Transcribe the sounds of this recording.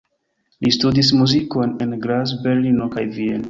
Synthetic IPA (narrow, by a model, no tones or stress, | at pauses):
lʔistudis̬muziko̞nenɡɾas̬be̞ɾlinokajvien